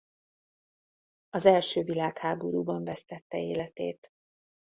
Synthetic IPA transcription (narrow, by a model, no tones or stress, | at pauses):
ɒzɛlʃøːvilaːkhaːboɾuːbɒɱvɛst̪ɛt̪ːɛeːlɛt̪eːt̪